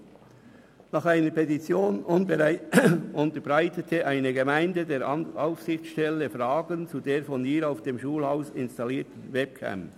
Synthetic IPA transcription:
nɑχaɪnəɾpʰetit͡sjoːnʊnbəɾaɪʊnt̪əɾbɾaɪtətʰəʔaɪnəɡemaɪndədeːɾɑʊfsɪçt͡sʃtɛləfɾɑːɡənt͡sudeːɾfɔniːɾaʊfd̥emʃuːlhaʊsɪnstɑliːtn̩vɛp̚kʰæ̰m

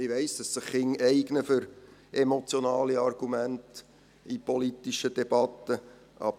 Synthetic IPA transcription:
ɪʋɛɪsd̥ɑsːɪχːɪŋɛɪɡnəfʏɾɛmot͡sjonɑːliɑrɡ̥umænt | ipolitiʃəd̥ɛb̥ɑtːə | ʔɑ̰b

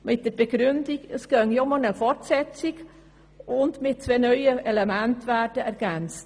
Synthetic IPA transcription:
mɪt̚d̥əb̥eɡɾʏndɪkəsɡ̥œŋjomɔnəfɔrtsɛt͡sɪɡ | ʊndmɪt̚t͡sveːnœʏəɛlɛmæntværd̥əɛɾɡ̥ɛnt͡st

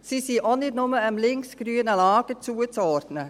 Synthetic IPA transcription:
sisiʔɔnɪtnʊməəmlɪŋksɡ̥ɾyːənəlɑːɡ̥ət͡suːət͡sɔːrdnə

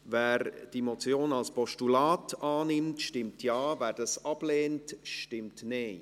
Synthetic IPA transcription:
væːɾd̥imɔt͡sjoːnɑlspɔʃtulɑːtɑːnɪmtʃtɪmtʰjɑːvæːɾd̥ɑsɑb̥leːntʃtɪmtneː

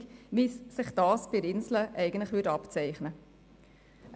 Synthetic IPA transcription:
ʋiːsːɪχd̥ɑːsb̥ɪɾɪnsləʔɛɪɡəntlɪχʋʏːtɑpt͡sɛɪχnə

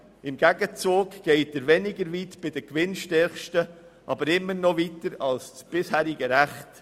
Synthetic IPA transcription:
ɪmɡ̥æɡ̥ət͡suːɡɡ̥ɛɪtəɾvɛnɪɡəɾviːtb̥ɪd̥əkʋɪnʃtɛɾχʃtə | ʔɑbəɾɪmːəɾnɔvitəɾɑlssb̥ɪshæːɾɪɡəɾæχt

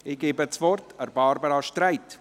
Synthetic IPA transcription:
ɪɡ̥eːbət͡sʋɔrtʰəɾbɑɾbəɾɑʃtɾaɪt

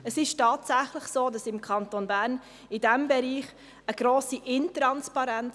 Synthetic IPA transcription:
əsɪʃtɑːtsæχlɪχsoːdɑsɪmkʰɑntonbæːɾn | ɪdɛmbɛɾiːχ | əɡ̥ɾoːsiʔɪntɾɑnspɑɾɛn

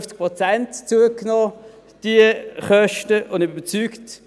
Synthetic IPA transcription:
ft͡sk̚pʁɔt͡sɛntt͡suəknɔː | d̥iəχœʃtəʔʊndybət͡syːkt

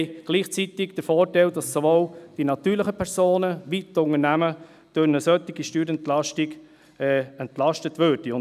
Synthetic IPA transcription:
ɡ̥liːχt͡sit̪ɪɡd̥əfɔːɾtɛld̥ɑsːoʋoːld̥inɑt̪yːɾlɪχəpʰɛɾsoːnəʋitʊŋənæmə | d̥ønəsœt̪ːɪɡiʃtyːɾɛntlɑʃtɪɡ | ɛːɛntlɑʃtətʋøːɾd̥iʊn

